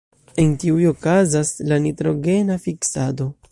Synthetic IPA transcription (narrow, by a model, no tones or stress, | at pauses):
e̞nkiujo̞kazaslanitɾo̞ɡe̞nafiksado̞